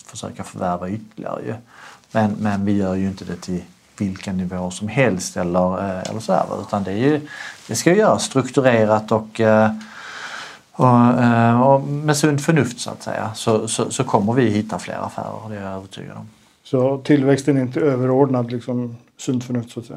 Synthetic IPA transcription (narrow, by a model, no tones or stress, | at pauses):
fœ̥ʂø̰ːkafœɾvæɾvaʏt̪ʰːəlɪ̰a̰ɾə̰jɵ̰mɛnmɛnvɪjœːɾjɵɪnt̪əd̪ɛt̪ʰɪl | vɪlkanɪvoːʂɔmhɛlst̪ɛlːəɾɛ̰lːəʂɔd̪æ̰ːɾʋa̰ʉ̟ːt̪and̪ɛæɾjɵd̪̥ɛskavɪjœːɾast̪ɾɵkt̪ɵɾeːɾat̪ɔk | ɔ | ɔmɛsɵnd̪fœɳɵft̪sʊa̰t̪sɛ̰jːa̰sɔsɔsɔkʰɔmːəɾvɪhɪt̪ʰːaflḛːɾa̰fæ̰ːɾə̰ɾd̪ɛaøːvəʈʰy̰ːɡa̰d̪ɔm | sɔt̪ʰɪlvɛkst̪ənɛɾɪnt̪̬əøːvəɾoːɖnad̪lɪksɔm | sɵnd̪fœɳɵft̪sat̪sɛj